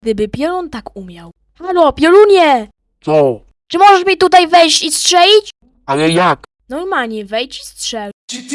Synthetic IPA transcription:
ɡd̪ɘbɘpʲjɛlunt̪akumʲjaw | xalɔpʲjɛluɲɛ | t̪sɔ | t͡ʂɘmɔʐɛʂmʲit̪ut̪ajvɛjɕt͡ɕistʂɛlʲit͡ɕ | alɛjak | nɔɾmaɲɛvɛjt͡ɕi̥stʂɛ

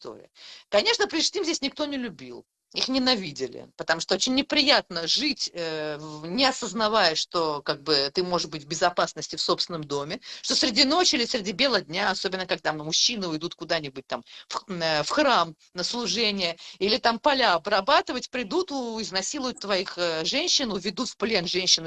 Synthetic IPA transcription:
ɪst̪o̰ɾʲɪ̰əkɐnʲe̞ʂnəpɾʲɪʂt̪ʲimzʲesʲnʲɪk̚t̪o̞nʲɪlʲʊbʲilˠ | ixnʲɪnɐvʲidʲɪlʲɪ̰pət̪ɐmuʂt̪oot͡ɕɪnʲːɪpɾʲɪjat̪̚nəʐɨtʲənʲɪɐsəznɐvajəʂt̪o̞kaɡ̚bɨt̪ɨmo̞ʐɨʂbɨtʲvʲbʲɪzɐpasnəsʲtʲɪfso̞psʲɪnəmd̪o̞mʲɪʂt̪osɾʲɪdʲino̞t͡ɕilʲɪsɾʲɪdʲibʲe̞lˠədʲnʲaɐsobʲɪnːəkɐɡ̚d̪amʊɕːinɨʊjd̪ut̪kʊd̪anʲɪbʊt̚ʲt̪amfəfxram | nəslˠʊʐɛnʲɪjəilʲɪt̪ampɐlʲaɐbrɐbat̪ɨvətʲpɾʲɪd̪ut̪ʊɪznɐsʲilˠʊjʊt̪ːvɐixəʐɛnʲɕːɪnʊvʲɪd̪ut̪fplʲe̞nʐɛnʲɕːɪn

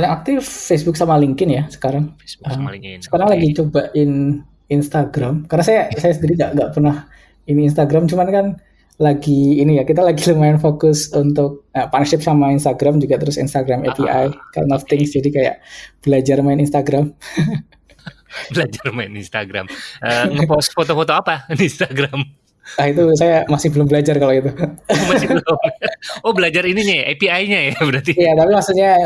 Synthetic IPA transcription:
balaŋak̚t̪ɪfːesbʊk̚samaliŋkɪnjasə̥kaɾaŋʔəmsə̥kaɾaŋlaɡit͡ʃobaʔɪn | inst̪aɡɾamkarnasajasajasəndiɾiŋɡaʔŋɡaʔpərnah | ininst̪aɡɾamt͡ʃumankan | laɡiːnijakit̪alaɡiləmaɪnfokʊsunt̪ʊk̚əpanʃɪp̚samainst̪aɡɾamd͡ʒuɡat̪əɾʊsḭnst̪aɡɾamɛpiʔajk̪a̰nɔft̪ɪŋsd͡ʒadikaja̰ʔb̥əlad͡ʒarmaɪninst̪aɡɾam | bəlad͡ʒarmaɪninst̪aɡɾa̰məŋəpɔsfot̪ofot̪oapadinst̪aɡɾam | ahit̪̬usajamasɪhbəlʊmbəlad͡ʒarkalait̪̬umasɪəlʊmobəlad͡ʒaɾiniɲaʔepiajɲajabəɾart̪ijjat̪apimaksuɲa

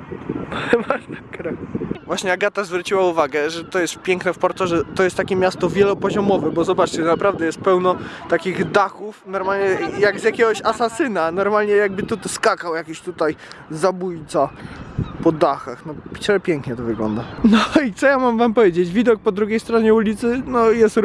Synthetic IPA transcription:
vat̪akɾɛvwaɕɲɛaɡat̪azvɾut͡ɕiwauvaɡɛʐɛt̪ɔjɛst̪̚pʲjɛŋknɛfpɔɾt̪ɔʐɛt̪ɔjɛst̪ːakʲɛmʲjast̪ɔvʲjɛlɔpɔʑɔmɔvɛbɔzɔbatt͡ʂt͡ɕɛnapɾavd̪ɛjɛst̪̚pɛwnɔt̪akʲiɣd̪axufnɔɾmalɲɛjaɡzʲjakʲɛɡɔɕasasɘnanɔɾmalɲɛjaɡ̚bɘt̪ut̪skakawjakʲiɕt̪ut̪ajzabujt̪sa | pɔd̪axaxnɔt͡ɕɛpʲjɛŋkɲɛt̪ɔvɘɡlɔ̰nd̪anɔit̪sɔjamamvampɔvʲjed͡ʑed͡ʑvʲid̪ɔk̚pɔd̪ɾuɡʲejst̪ɾɔɲɛulʲit̪sɘnɔjɛst̪

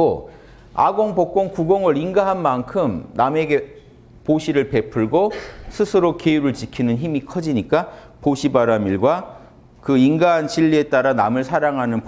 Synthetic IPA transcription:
o | a̰ɡoŋpok͈oŋkuɡʌŋɯɾiŋɡaɦanmankʰɯmname̞ɡe̞ | poɕʰiɾɯɭpe̞pʰɯɭɡosʰɯsʰɯɾokeuɾɯɭt͡ɕikʰinɯnçimikʰʌd͡ʑiɲik͈a | poɕʰibaɾamiɭɡwa | kɯinɡaɦanɕiʎːie̞t͈aɾanamɯɭsʰaɾaŋɦanɯnp

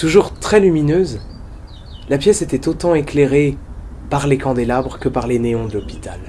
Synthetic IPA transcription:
t̪uʒuʁt̪χɛlyminøz | lapjɛset̪ɛt̪ot̪ɑ̃ekleʁe | paʁlekɑ̃d̪elabʁəkəpaʁleneɔ̃d̪əlɔpi̥t̪al

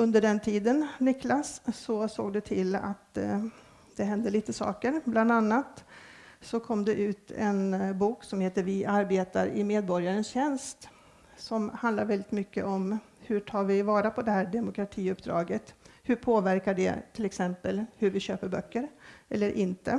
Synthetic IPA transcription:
ɵnd̪əɖɛnt̪ʰiːd̪ənnɪklasːɔso̰ːɡd̪ɛt̪ʰɪlːa̰t̪ | d̪ɛɦɛnd̪əliːt̪əsɑ̰ːkəɾbland̪anːat̪ | sɔkʰɔmd̪ɛʔʉ̟ːt̪ʰɛ̰nbuːksɔmheːt̪əɾvɪʔaɾbeːt̪aɾɪmeːd̪̚bɔɾjaɾənsɕɛnst̪ | sɔmhand̪aɾvɛlɪt̪mʏkːə̰ʔɔm | hɵʈʰɑːɾvɪvɑːɾapʰɔd̪ɛhæːɖɛmʊkɾat̪ʰiːɵpd̪ɾɑ̰ːɡət̪hɵpʰoːvæɾkaɖɛ̰t̪ʰɪlɛksɛmpəlhɵɾvɪɕøːpəɾbœkːəɾʔɛlːəɾʔɪnt̪ə

